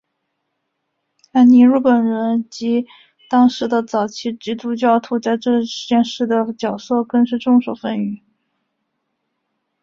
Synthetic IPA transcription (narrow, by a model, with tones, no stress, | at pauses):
a˧˥ɪni˧˥ɻu˥˩pə˨˩nɻə˧˥nt͡ɕi˧˥ | t̪ɑ˥ŋʂɻ̩˧˥d̪ə˧t͡sɑ˨˩ʊt͡ɕʰi˥˩ʈ͡ʂi˧˥t̪u˥˧t͡ɕjɑ˥˧ʊt̪ʰu˥t͡sa˥˧ɪʈ͡ʂɤ˥˧ʂ̩˧˥t͡ɕjɛ˥˧nʂɻ̩˥˩d̪ə˩t͡ɕjɑ˨˩ʊsɤ˥˧kɤ˥˧ŋʂɻ̩˥˧ʈ͡ʂʊ˥˧ŋʂo˨˩ʊfə˥˧ny˧˩˦